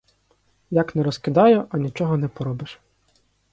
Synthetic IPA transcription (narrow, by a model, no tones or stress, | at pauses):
jaknɛɾɔskɪd̪ɑjʊʔɐnʲit͡ʃɔɦɔnɛpɔɾɔbɪʃ